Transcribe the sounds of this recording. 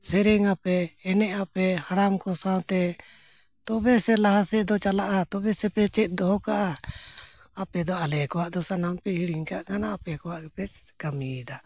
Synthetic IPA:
sɛɾɛŋapɛːnɛʔapɛhaɽamkɔsãw̃t̪ɛ | t̪ɔbɛsɛlaɦasɛʔd̪ɔt͡ʃalaʔat̪ɔbɛsɛpɛt͡ʃɛt̪̚ˀd̪ɔɦɔkaʔaː | pɛd̪ɔalɛkɔwaʔd̪ɔsanampɛhiɽiŋkaʔkanaːpɛkɔwaʔɡɛpɛkamid̪a

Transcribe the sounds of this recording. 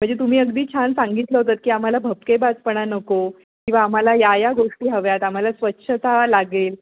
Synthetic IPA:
m̤əɳd͡zd͡ʑet̪um̤iːəɡd̪iːt͡ɕʰansaŋɡit̪ləɦot̪at̪̚kiːam̤alabʱəpkebad͡zpəɳanəko | kĩw̃ʋaːm̤alajajaɡoʂʈiːɦəʋjat̪am̤alasʋətːɕʰət̪alaɡel

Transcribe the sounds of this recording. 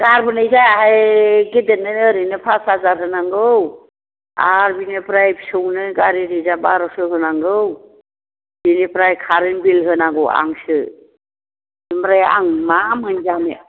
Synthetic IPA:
ɡaɾbɯnɯjzaɦajɡedenːɯnɯɾɯnɯpʰasazaɾɦɯnaŋɡɯw | a̰ɾbinepɾajbsɯwnɯɡaɾiɾizabaɾɔsɯɦɯnaŋɡɯw | b̥inepɾajkʰaɾɯnbilɦɯnaŋɡɯwa̰ŋsɯ | imɾaja̰ŋmamhɯnzamḛ

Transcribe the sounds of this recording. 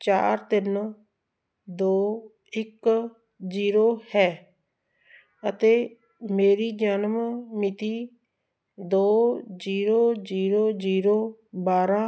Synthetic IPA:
t͡ʃa̰ːɾt̪ɪn | d̪oː | ɪk | ziːɾoːhɛː | ət̪eː | meːɾiːd͡ʒaːnmmɪt̪iː | d̪oːziːɾoːd͡ʒiːɾoːziːɾoːbaːɾãː

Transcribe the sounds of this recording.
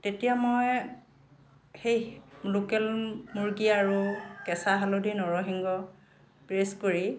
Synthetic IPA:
tetijamoj | xejlokɛlmuɹɡiaɹukɛsaɦalodinɔɹɔɦiŋɡɔ | pɹeskoɹi

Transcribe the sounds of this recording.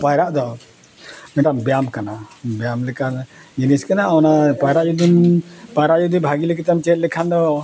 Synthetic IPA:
pajɾaʔd̪ɔ | mɛʈambjamkanabjamlɛkand͡ʒiniskanaɔnapajɾaʔjud̪unpajɾaʔjud̪ibʱaɡilɛkɛt̪amt͡ʃɛt̪̚lɛkʰand̪ɔ

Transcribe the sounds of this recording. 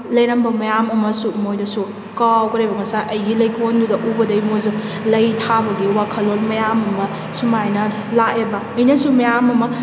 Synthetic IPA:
lɐjɾɐmbɐmɐjamɐmɐsumojdɐsu | kawkɐɾebɐŋɐsaʔɐjɡilɐjkʰondudɐʔubɐdɐjmozu | lɐjtʰabɐɡiwakʰɐlːolmɐjamɐmɐ | sumajnɐ | laʔebɐːjnɐsumɐjamɐmɐ

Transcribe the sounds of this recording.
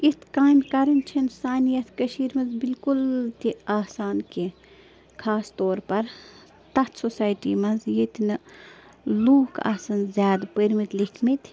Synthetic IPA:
it̪ʰkaːjmkɐɾɐnt͡ʃʰɐnsaːnijɐt̪ʰkɐʃiːɾmɐnzbilkult̪iaːsaːnke | kʰaːst̪ɔːɾpɐɾ | t̪ɐt̪sosaːjʈimɐnzjet̪n | luːkʰa̰ːsɐnzʲjaːd̪pəɾmit̪likʰmit̪

